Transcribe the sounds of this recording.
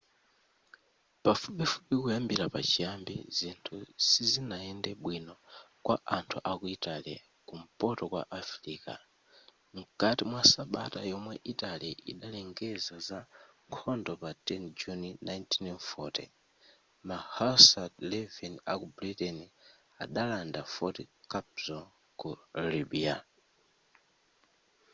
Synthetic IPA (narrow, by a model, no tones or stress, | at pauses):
pafupɛfupikujambiɾapat͡ʃijambḭzintʰusizinajɛndɛɓwinɔ | kwʔa̰ʔantʰuʔakuitalia | kum̩pɔtɔkwa̰ʔafɾiːka̰ | m̩katimwasaɓa̰tajɔmwɛʔitaliʔḭɗalɛŋɡɛzazaŋkʰɔndɔpatɛnd͡ʒuninajntʰinnfɔtḭ | mahasadlɛvɛnakubɾitɛni | a̰ɗalandafɔtikapzɔ | kulibia